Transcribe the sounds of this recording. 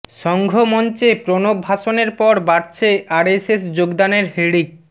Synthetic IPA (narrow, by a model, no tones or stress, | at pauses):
ʃɔŋɡʱomɔnt͡ɕepɾonobʱaʃoneɾpɔɾbaɾt͡ɕʰeaɾesesd͡ʑoɡd̪aneɾɦeɽik̚